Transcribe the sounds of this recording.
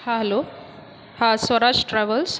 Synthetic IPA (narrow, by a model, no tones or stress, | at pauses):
aɦlo | hasʋəɾaʂʈʈɾɛʋəls